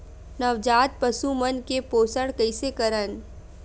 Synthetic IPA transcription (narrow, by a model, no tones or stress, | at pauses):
nɐʋd͡ʒaːt̪̚pɐsumənkepoːsəɽ̃kəɪsekɐɾən